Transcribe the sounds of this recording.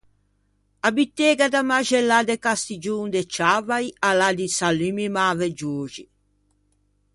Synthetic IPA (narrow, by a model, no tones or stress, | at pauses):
abit̪ːeːɡad̪amaʒɛlːad̪ekast̪id͡ʒuːŋd̪et͡ʃavajalad̪isalimimaved͡ʒuːd͡ʒi